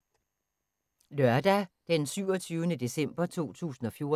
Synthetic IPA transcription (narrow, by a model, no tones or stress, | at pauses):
lɶɐd̥æd̥ensyʊ̰ɒ̽t͡sʰyːʊənəd̥e̝sem̰b̥ɐt͡sʰo̝̰ːt͡sʰṵːsn̩ɒ̽fjo̝ɐ